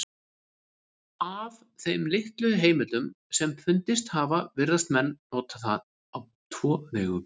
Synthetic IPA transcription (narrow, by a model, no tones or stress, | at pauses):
av | θejmlɪht̪lœðʏɦeːjmɪt̪lʏm | sɛmfʏnt̪ɪst̪haːvavɪɾðast̪mɛnːɔːt̪ʰaθa̰ð | aw | t̪ʰvɔːvɛːɣʏm